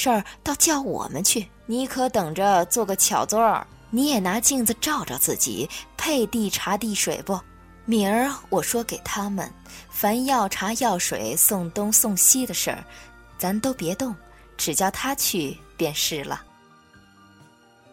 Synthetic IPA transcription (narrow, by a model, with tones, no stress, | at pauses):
ʂə˥˧˩t̪ɑ˥˧ʊt͡ɕjɑ˥˩ʊwɔ̰˨˩mə̰˦nt͡ɕʰy˥˩ | ni˧˥kʰɤ˧˥t̪ɤ˨˩ŋʈ͡ʂə˦t͡swɔ˥˩ɡə˨˩t͡ɕʰjɑ˨˩ʊt͡sɔ˥ə̰˞˨˩ | ni˧˥jɛ˨˩na˧˥t͡ɕi˥˧ŋt͡s̩˧ʈ͡ʂɑ˥˧ʊʈ͡ʂə̰˧t͡sɹ̩˥˩t͡ɕḭ˨˩pʰe˥˧ɪt̪i˥˩ʈ͡ʂʰa˧˥t̪i˥˩ʂwḛ˨˩ɪpɔ˥˧ | mi˨˩ə˞˧˥wɔ˨˩ʂwɔ˥ke˨˩ɪt̪ʰa˥mə̰˨nfa˧˥njɑ˥˩ʊʈ͡ʂʰa˧˥jɑ˥˩ʊʂwḛ˨˩ɪsʊ˥˩ŋt̪ʊ˥ŋsʊ˥˧ŋɕi˥d̪ə˨ʂə̰˞˥˧˩t͡sa˧˥mə˨t̪o˥ʊpjɛ˧˥t̪ʊ˥˩ŋʈ͡ʂɻ̩˨˩t͡ɕjɑ˥˩ʊt̪ʰa˥t͡ɕʰy˥˧pjɛ˥˧nʂɻ̩˥˩lə̰˩